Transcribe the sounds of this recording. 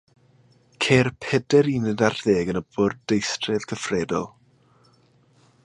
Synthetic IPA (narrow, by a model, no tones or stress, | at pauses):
kʰeːrpʰɛdɛɾiːnɛdarðeːɡənəbʊrd̥ejstrɛð̥kʰəfrɛdɔ̰lˠ